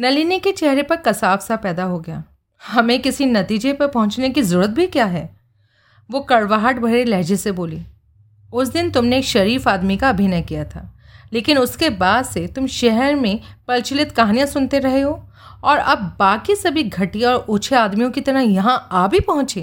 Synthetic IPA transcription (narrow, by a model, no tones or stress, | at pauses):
nɐliniket͡ʃɛɦɾepɐɾkɐsaːfsapɛːd̪aɦoɡɐja̰ː | hɐmẽkɪsinɐt̪iːd͡ʒepɐɾpɐɦʊ̃t͡ʃnekizɐɾuːɾət̪̚bʱikjaːɦɛː | ʋokɐɽʋaːɦəʈbʱɐɾelɛɦːd͡ʒeseboːliː | ʊsd̪ɪnt̪ʊmneːkʃɐɾiːfaːd̪mikaɐbʱinəkijat̪ʰa̰ː | leːkɪnʊskebaːd̪set̪ʊmʃɛɦɛɾmẽpɐlt͡ʃɪlɪt̪kɐɦaːnijãsʊnt̪eɾɐɦeɦoː | ɔːɾɐ̰bːaːkisɐbʱiɡʱɐʈijɔːɾʊːt͡ʃʰeaːd̪mijõkit̪ɐɾəjɐɦãaːbʱipɐɦʊ̃t͡ʃeː